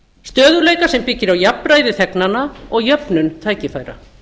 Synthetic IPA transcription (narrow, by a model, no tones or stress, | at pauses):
st̪œːðʏleːjkasɛmpɪcːɪɾawjapɾajðɪθɛknanːaɔɣjœpnʏnt̪ʰaːjcɪfaːjɾa̰